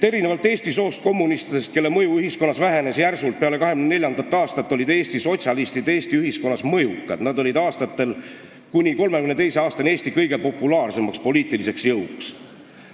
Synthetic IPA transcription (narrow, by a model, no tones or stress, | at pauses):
e̞ɾine̞vɑlt̪ːe̞ːst̪iso̞ːst̪̚ko̞mːunist̪id̪̥e̞st̪̚kelːe̞mɤjuyɦisko̞nːɑsvæɦe̞nesjærsult̪̚peɑle̞kɑɦeɡynene̞lʲjɑnd̪ɑt̪ːˑɑːst̪ɑt̪ːˑo̞lid̪e̞ːst̪iso̞t̪ʲsʲjɑlist̪id̪eːst̪iyɦisko̞nːɑsmɤjukːˑɑ̰d̪̥nɑd̪o̞lʲid̪ɑːst̪ɑt̪ːe̞l | kunʲiko̞lme̞kynt̪ejse̞ɑːst̪ɑne̞ːst̪ikɤjɡ̥e̞lpo̞pːˑulɑːrse̞mɑkspo̞liːt̪ːˑilise̞ksjɤwks